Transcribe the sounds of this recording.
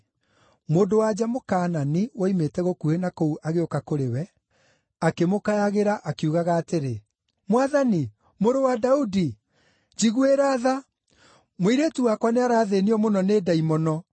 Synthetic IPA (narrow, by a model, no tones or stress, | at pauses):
moːndowad͡ʑamokaːnaniwaimetɛɣokuenakouʔaɣeokakoɾewɛ | akemokajaɣeɾaʔakiuɣaɣaːteɾe | mwaðani | moɾowadaudi | d͡ʑiɣueɾaːða | moiɾetuwakwaneaɾaːðeniɔmonɔneːdaimɔnɔ